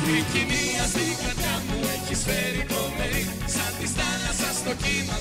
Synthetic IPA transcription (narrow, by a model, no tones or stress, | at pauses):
iciniɐsikɾɐt̪ɐmueçispeɾikomeɾi | sɐθist̪ɐnɐsɐst̪ocimɐ